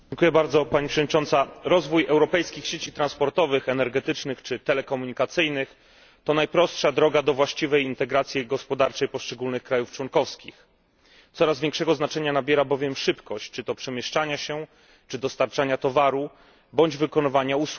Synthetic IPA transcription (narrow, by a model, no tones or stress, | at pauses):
ŋkujɛbaɾd̪zɔpaɲipʂɛvɔdɲit͡ʂɔnt̪saɾɔzvujɛwɾɔpɛjskʲixɕet͡ɕit̪ɾanspɔɾt̪ɔvɘxɛnɛɾɡɛt̪ɘt͡ʂnɘxt͡ʂɘt̪ɛlɛkɔmuɲikat̪sɘjnɘx | t̪ɔnajpɾɔstʂad̪ɾɔɡad̪ɔvwaɕt͡ɕivɛjint̪ɛɡɾat̪sʲjiɡɔspɔd̪aɾt͡ʂɛjpɔʂt͡ʂɛɡulnɘxkɾajuft͡ʂwɔŋkɔfskʲḭx | t̪sɔɾazvʲjɛ̃ŋkʂɛɡɔznat͡ʂɛɲanabʲjɛɾabɔvʲjɛmʂɘpkɔɕt͡ɕt͡ʂɘt̪ɔpʂɛmʲjɛʂt͡ʂaɲaɕɛ | t͡ʂɘd̪ɔst̪aɾt͡ʂaɲat̪ɔvaɾu | bɔɲd͡ʑvɘkɔnɘvaɲausu